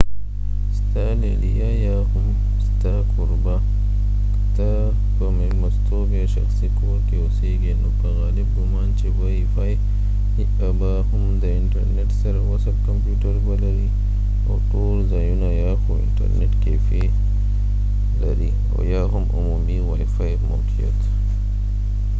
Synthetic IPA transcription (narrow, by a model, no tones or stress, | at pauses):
st̪alelijajahʊm | st̪akʰoɾba | t̪a | pəmemast̪ʰobeʃa̰xsikʊwakeoseɡinokəɣaːlɪbɡʊmant͡ʃewajifaj | abahumd̪aintɐɾnɛtsaɾawasakɔmputaɾbalaɾi | ɔɗoɾzajunajahɔḭntɛ̰ɾnɛtkɛfɛ | lɐɾi | ɔ̰jaɦumʔṵmumiwajfajmo̰wtʰija̰t